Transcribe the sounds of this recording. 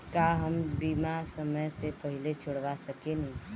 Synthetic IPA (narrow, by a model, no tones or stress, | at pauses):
kaɦəmbiːmasəməjsepəɦɪlet͡ʃʰoɽʋasəkenɐɦĩ